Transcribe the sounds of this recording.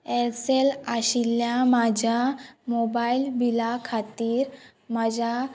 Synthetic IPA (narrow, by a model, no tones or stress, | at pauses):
elselaɕilːjamad͡ʑʱamobailbʱilakʰat̪iːɾ | mad͡ʑʱa